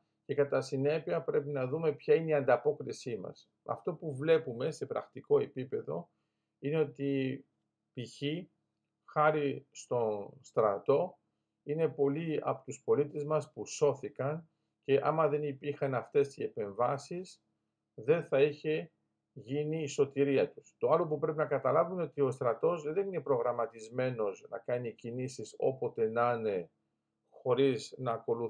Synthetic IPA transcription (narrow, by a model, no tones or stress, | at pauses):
ce̞kɐt̪ɐsine̞piɐpɾe̞pinɐðume̞pçɐineiɐnd̪ɐpo̞kɾisimɐ̰s | ɐ̰ft̪o̞puvle̞pume̞se̞pɾɐ̰xt̪iko̞e̞pipe̞ðo̞̰ | ine̞o̞t̪i | piçi | xɐɾist̪o̞st̪ɾɐ̰t̪o̞ | ine̞po̞liɐ̰pot̪uspo̞lit̪e̞zmɐspuso̞θikɐn | ce̞ʔɐmɐðe̞nipiɾxɐnɐft̪e̞st̪ie̞pe̞ɱvɐsis | ðe̞nθɐiçe̞ | ʝiniːso̞t̪iɾiɐt̪u̥st̪o̞ɐlo̞pupɾe̞pinɐkɐt̪ɐlɐvuneo̞t̪io̞st̪ɾɐt̪o̞zðe̞nine̞pɾo̞ɣɾɐmɐt̪izme̞no̞znɐ̰kɐnicinisiso̞̰po̞t̪e̞nɐne̞ | xo̞ɾiznɐːko̞lu